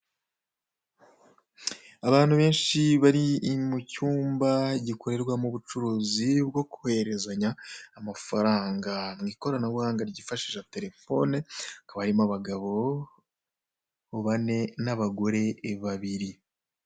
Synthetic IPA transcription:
aβaːn̥huβe̞ːnʃiβaɾimucuːmbaɟiko̞ɾe̞ɾɡwamuβut͡ʃuɾuːzibɡo̞kuhe̞ɾe̞zaɲaːmafaɾaːŋɡamŋiːko̞ɾanaβuhaːŋɡaɾɟiːfaʃiʒate̞ɾe̞fo̞nekaβaɾimaβaɡaβo̞ | βane̞naβaɡo̞ɾe̞ːβaβiɾi

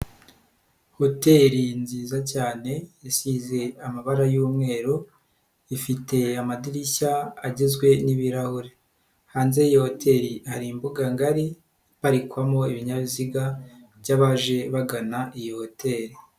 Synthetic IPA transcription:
ho̞te̞ɾinziːzacaːne̞jasize̞amaβaɾajuːmŋe̞ːɾo | ifite̞amadiɾiçaːɟizɡwe̞niβiɾahoɾe | haːnze̞ijiho̞tʰe̞ɾihaɾimbuɡaŋɡaɾi | βaɾikwamo̞iβiɲaβiziɡaβɟaβaʒe̞βaɡanaʔijiho̞tʰe̞ɾi

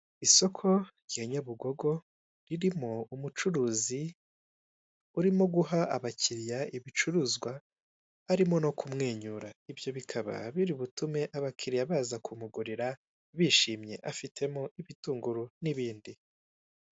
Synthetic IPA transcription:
iso̞kʰo̞ɾjeɲoβuɡo̞ɡo̞ | ɾiɾimo̞umut͡ʃuɾuːzi | uɾimo̞ɡuɦaaβaciɾijaiβit͡ʃuɾuzɡwa | aɾimo̞no̞kʰumŋeːɲuɾaivjo̞βikʰaβa̰βiɾiβutume̞ʔaβakʰiɾijaβaːzakʰumuɡuɾiɾa | βiːʃiːmɲe̞̰ʔafitʰe̞moiβituːŋɡuɾuniβiːndi

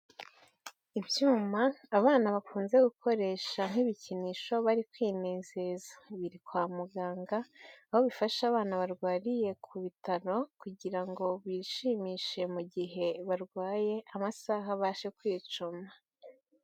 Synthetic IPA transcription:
ibjuːmaːβaːnaβafuːnze̞ɡuko̞ɾe̞ːʃaŋ̥iβiciniʃo̞βaɾikwiːneːze̞zaβiɾikwaːmuɡaːŋɡaːho̞βifaʃaβaːnaβaɾɡwaːɾije̞kʰuβitaɾo̞kuɟiɾaŋɡo̞βiːʃiːmiːʃe̞muɟiɦe̞βaɾɡwaːje̞amasaɦaβaːʃekwiːt͡ʃuma

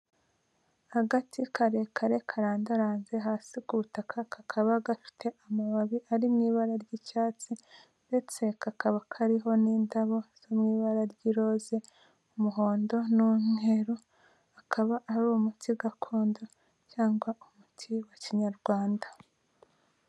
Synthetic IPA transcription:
haɡatʰikʰaɾe̞kʰaɾe̞kʰaɾaːndaɾaːnze̞ɦaːsikuβutakʰakʰakʰaβaɡafi̥tʰe̞ʔamaβaβiʔaɾimŋiːβaɾaɾɟicaːt͡si | nde̞t͡se̞kakaβakʰaɾiɦo̞niːndaβo̞z̥omŋiːβaɾaɾɟiɾo̞ze̞ | umuɦo̞ːndo̞nune̞ɾo | akʰaβaʔaɾumutʰiɡakʰo̞ːndo̞ | caːŋɡwaumutʰiwaciɲaɾɡwaːnda

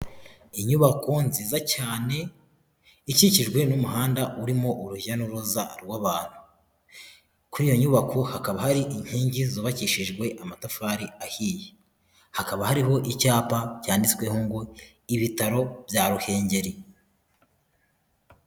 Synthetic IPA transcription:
iɲuβako̞nziːzacaːne̞ | iciciʒɡwe̞numuɦaːndaʔuɾimo̞ʔuɾuʒanuɾoza̰ɾwaβaːn̥hu̥ | kuɾiːjo̞ɲuβakʰohakaβahaɾiʔiɲ̥hiːɲɟizoːβaciʃiʒɡwe̞ʔamatafaːɾiahiːje | hakaβahaɾiɦo̞ʔicaːpacaːndit͡swe̞hoŋɡo | iβitaɾo̞bjaːɾuhe̞ːɲɟe̞ɾi

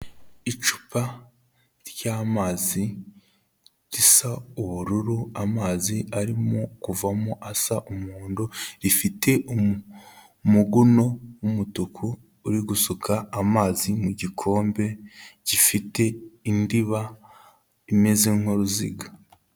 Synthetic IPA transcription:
it͡ʃu̥pa | ɾjaːmaːzi | ɾisauβuɾuɾuamaːziaɾimokuvamoʔasaʔumuːndoɾifitʰe̞ʔu | muɡuno̞wumutukʰuː | ɾiɡusukʰaːmaːzimuɟikʰo̞ːmbe̞ɟ̥ifite̞indiβa | imeziŋ̥hoɾuzḭɡa

